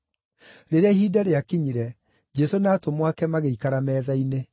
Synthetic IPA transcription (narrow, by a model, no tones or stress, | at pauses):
ɾeɾeaiɦiːdaɾeakiɲiɾɛ | d͡ʒɛsonaːtomwakɛmaɣeikaɾamɛːðaine